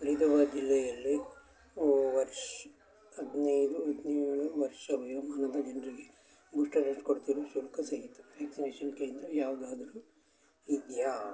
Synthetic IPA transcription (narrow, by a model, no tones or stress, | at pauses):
pɐɾid̪ɐʋad͡ʒilːɛjɐlːi | ʋɐɾʂ | ɐd̪niːɾuɐd̪niːɾuʋɐɾʂɐʋɐjoːmaːnɐd̪ɐd͡ʒɐnɾiɡe | buʂʈɐɾɐnskoɽt̪iɾosulkʰɐsɐɦit̪ːu̥ʋeːksineːʂɐnkɐjnd̪ɾujaːʋɐd̪aːd̪ɐɾu | id̪jaː